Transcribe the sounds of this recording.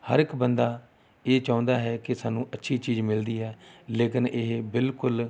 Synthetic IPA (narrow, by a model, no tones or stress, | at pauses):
hə̰ɾɪkbənd̪aː | eːt͡ʃãːnd̪aːɦɛːkɪsaːnũːʔətːʃʰiːt͡ʃiːd͡ʒmɪld̪iːɦɛːleːkɪnʔɪɦbɪlkʊl